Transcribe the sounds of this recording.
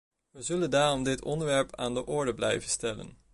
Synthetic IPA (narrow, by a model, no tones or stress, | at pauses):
ʋəzɵləndaːrɔmdɪtʰɔndəɹʋɛɹpʰaːndəʔɔɹdəblɛjvənstɛlə̰n